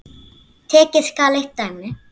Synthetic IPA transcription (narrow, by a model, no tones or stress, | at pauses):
t̪ʰɛːcɪθkaːleht̪ːamnɪ